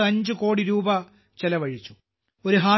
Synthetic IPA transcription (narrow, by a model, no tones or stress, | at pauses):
ɐɲd͡ʑɨko̞ːɽiɾuːbɐ | t͡ɕelɐʋɐɻit͡ɕːu̥ | o̞ɾuɦaː